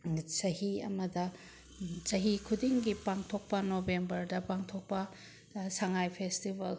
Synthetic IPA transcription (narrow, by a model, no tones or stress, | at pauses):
sɐɦiɐ̰mɐdɐ | t͡ʃɐɦikʰudiŋɡipaŋtʰok̚pɐnobembɐɾdɐpaŋtʰok̚pɐ | saŋajpʰestibɐl